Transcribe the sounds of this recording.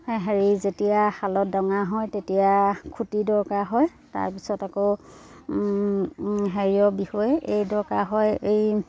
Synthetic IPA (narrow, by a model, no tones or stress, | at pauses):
ɦeɹizetijaxalɔdɔŋaɦɔjtetijakʰutidɔɹkaɦɔj | ta̰ɹpi̥sɔtako | ɦeɹiɔbixɔjɛʔejdɔɹkaɦɔjej